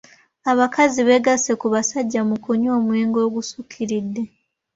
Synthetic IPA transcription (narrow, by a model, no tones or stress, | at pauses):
aβakaziβe̞ɡase̞kuβasaɟːamukuɲo̞ːmwe̞ːŋɡo̞ːɡusukʰiɾidːe̞